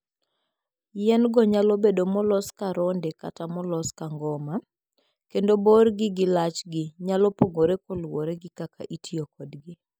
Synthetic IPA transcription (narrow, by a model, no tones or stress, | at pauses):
jɛnɡɔɲalobedomɔlɔskaɾɔndeka̰tamɔlɔskaŋɡɔma | kendoborɡɪɡɪlat͡ʃɡɪɲalopoŋɡoɾekolwoɾeɡɪkakʰa̰ʔitʰiokɔdɡɪ